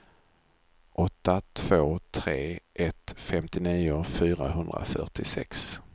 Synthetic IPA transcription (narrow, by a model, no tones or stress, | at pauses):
ʔɔt̪ːat̪ʰv̥oːt̪ʰɾeːʔɛt̪fɛmt̪ɪniːʊfyːɾaɦɵnd̪ɾa̰fœ̰ʈɪsɛks